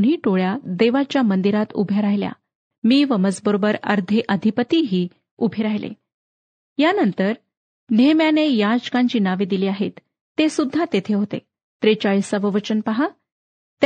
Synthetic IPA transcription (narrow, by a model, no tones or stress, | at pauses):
ɳ̤iːʈoɭjad̪eʋat͡ɕjamənd̪iɾat̪ṵbʱeɾajlja̰ | miːʋəmət͡sbəɾobəɾə̰ɾd̪ʱeʔəd̪ʱipət̪iɦiː | ubʱeɾajlḛ | janənt̪əɾ | nemjanejad͡ʑkãɲt͡ɕiːnaʋeːd̪iliːaɦet̪ː | esud̪ʱːat̪et̪ʰeɦot̪ḛ | t̪ɾet͡ɕaɭiːsaʋəʋət͡ɕənpaɦa | t̪